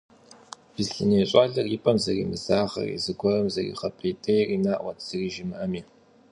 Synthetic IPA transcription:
b̥ɨzɬɨnejːɕʼaːɮɐrjɪpʼɐmzɐriːmɨzaːʁɐ̰rḭzɨɡʷɔrɐmzɐrḭːχɐpʰʼetʰʼɐjriːnaːʔʷɐtʰz̥ɨriːʒɪmɨʔɐmiː

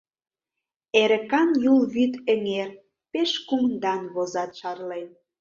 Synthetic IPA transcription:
eɾə̆kɑnjulβyt̪ə̆ŋer | peʃkumnd̪ɑnβozɑt̪ʃɑrlen

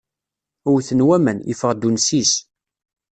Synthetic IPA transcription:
ʊwθənwæmənjə̰fəʁd̪unsis

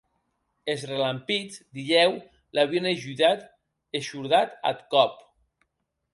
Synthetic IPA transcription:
ezrelampid͡zd̪iʎɛw | laβieneʒuðat̪ | eʃuɾðat̪a̰t̪kɔp

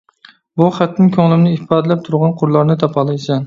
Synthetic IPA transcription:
bʊχat̪nɪŋkʲʰoŋlˠɪmnɪɪpʰɑd̪lap̚t̪ʰʊɾʁɑnqʰʊɾlˠaɾnɪt̪ʰapʰɑlˠɪjsʲan

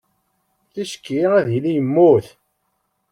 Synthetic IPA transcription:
θiʃə̥kːiæðilijəmːuθ

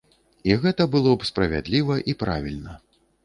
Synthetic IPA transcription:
iɣɛt̪ɐbɨlˠɔpspɾɐvʲa̰d̪lʲivɐʔipɾavʲilʲnɐ

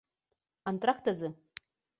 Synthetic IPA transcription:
antʼrakʰtazɨ

